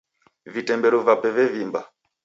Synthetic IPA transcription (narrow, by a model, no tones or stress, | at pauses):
vitɛmbɛɾɔvapɛvɛvimba